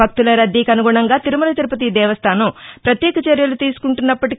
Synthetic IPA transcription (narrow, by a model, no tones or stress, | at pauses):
ɐk̚t̪ulɐɾɐd̪ːikɐnuɡuːɳɐŋɡaːt̪iɾumulɐt̪iɾupɐt̪̬id̪ɛːʋɐst̪ʰaːnɐmpɾɐt̪jɛːkɐt͡ʃɐɾjɐlut̪iːsu̥kuɳʈunːɐpːɐʈi